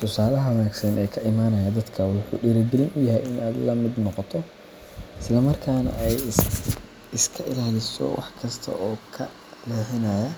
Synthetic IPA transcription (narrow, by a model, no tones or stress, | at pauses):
t̪ʰʊsaːlɐɦɐwɐnaːɡsɐnʔɛːkʰɐʔɪmaːnɐjɐd̪ɐd̪kʰɐwʊħṵːɖɪɾɪd̪ɪlɪnʊjɐɦɛjɪnʔaːd̪lɐmɪd̪nɔqɔt̪ʰɔ | ɪslɐmɐrkʰaːnɐ̰ʔɛj | ɪskʰɐʔɪlaːlɪsɔ̰wɑ̰ħkʰɐst̪ʰɐ̰ʔɔːkʰɐ̰ | lɛːhɪnɐjɐ